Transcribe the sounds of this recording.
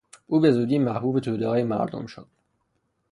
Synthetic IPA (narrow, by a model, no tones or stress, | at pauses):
ʔuːbe̞zuːd̪iːmæhbuːbet̪ʰuːd̪eɒːjemæ̰ɾd̪o̰mʃo̰d̪̥